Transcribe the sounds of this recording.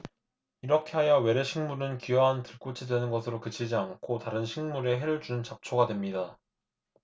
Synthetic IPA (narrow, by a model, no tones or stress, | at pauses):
iɾʌkʰe̞ɦajʌwe̞ɾeɕʰiŋmuɾɯnkiwʌɦantɯɭk͈ot͡ɕʰidwe̞nɯnɡʌsʰɯɾokɯt͡ɕʰid͡ʑiaŋkʰotaɾɯnɕʰiŋmuɾe̞ɦe̞ɾɯɭd͡ʑunɯnt͡ɕap̚t͡ɕʰoɡadwe̞mɲida